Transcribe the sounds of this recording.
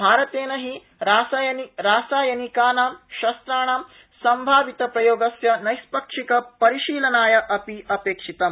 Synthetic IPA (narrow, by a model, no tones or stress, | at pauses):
bʱaːɾɐt̪eːnɐɦi | ɾaːsajɐniɾaːsaːjɐnikaːnaːmʃɐst̪ɾaːɳaːm | sɐmbʱaːʋit̪ɐpɾɐjoːɡɐsjɐnɐjspɐkʂikɐpɐɾiʃiːlɐnaːjɐʔɐpiɐpeːkʂit̪ɐ